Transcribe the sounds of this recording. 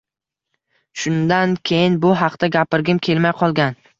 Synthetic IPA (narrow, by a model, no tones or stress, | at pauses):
ʃʊnd̪ankʲʰejɪnbʊɦɑqt̪aɡʲapɪɾɡʲɪmkʲʰe̞lmajqʰɒlˠɡʲan